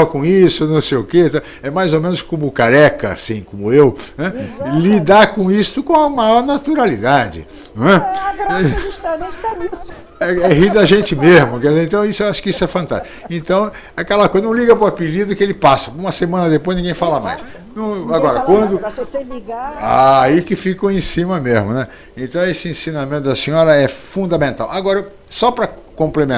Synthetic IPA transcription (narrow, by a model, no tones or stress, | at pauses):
ɐkõisʊnɐ̃w̃sejʊket̪a | ɛmajzomẽnʊskõmʊkaɾɛkɐ̰a̰sĩkõmʊewnɛlid̪aɾkõist̪ʊkõɐmajɔɾnat̪uɾalid̪ad͡ʒɪ̰ | ñɛɾɛut̪ɐẽt͡ʃɐis | ɛɛɦid̪ɐʒẽnt͡ʃɪmezmʊkɛɾizẽt̪ɐ̃w̃isʊewaʃʊ̥kɪisʊɛfɐ̃nt̪a̰ʃt͡ʃ | ẽnt̪ɐ̃w̃ | ɛakɛlɐkojzɐnɐ̃w̃liɡɐpɾʊapilid̪ʊkɪelɪpasɐũmɐsemɐ̃nɐd̪epojznĩɡẽj̃falɐma̰js | nɐ̃w̃aɡɔɾɐkwɐ̃nd̪ʊliɡaaikɪfikɐ̃w̃ẽsĩmɐmezmʊnɛ | ẽnt̪ɐ̃w̃esɪẽsĩnamẽnt̪ʊd̪ɐsĩɲɔɾɐɛfũnd̪ɐmẽnt̪a̰wʔaɡɔɾɐ | sɔpɾɐkõmplemẽ